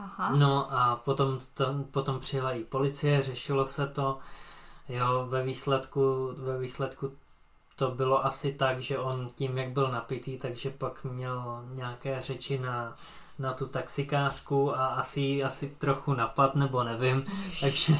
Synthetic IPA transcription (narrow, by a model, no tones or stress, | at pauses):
aɦanoʔapot̪o̞mt̪opot̪o̞mpr̝̥ɪɦlajiːpo̞lɪt͡sɪjɛrɛʃɪlo̞sɛt̪o̞ | jovɛviːslɛt̪kuvɛviːslɛt̪ku | t̪o̞bɪlo̞ʔasɪt̪aɡʒɛʔo̞nciːmjaɡbɪlnapɪt̪iːt̪aɡʒɛpakmɲɛlɲaːkɛːr̝ɛt͡ʃɪna | nat̪ut̪aksɪkaːr̥kuaʔasɪjiasɪt̪ɾoxunapat̪nɛbo̞nɛvɪmt̪aɡʒɛ